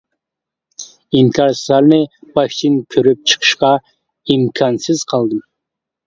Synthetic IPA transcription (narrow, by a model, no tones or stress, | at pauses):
imkʲʰɑɾsɑɾnɪb̥ɑʃt̪ʰɪnkʲʰøɾyp̚t͡ʃʰə̥qʰə̥ʃqɑ | imkʰɑnsɪz̥qʰɑlˠd̪ɨm